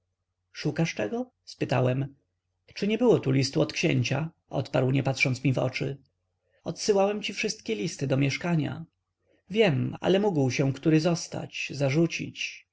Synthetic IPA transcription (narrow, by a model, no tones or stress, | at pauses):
ʂukaʂtɛɡɔ | spɘt̪a̰wɛm | t͡ʂɘɲɛbɘwɔt̪ulʲist̪uɔt̪kɕɛ̰ɲt͡ɕa | ʔɔ̰t̪paɾwɲɛpat̪ʂɔnt̪smʲivɔ̰t͡ʂɘ̰ | ɔt̪sɘwawɛmt͡ɕifʂɘst̪̚kʲɛlʲist̪ɘd̪ɔmʲjɛʂkaɲa̰ | vʲjɛma̰lɛmuɡwɕɛ̃kt̪uɾɘzɔst̪a̰t͡ɕzaʐut͡ɕḭt͡ɕ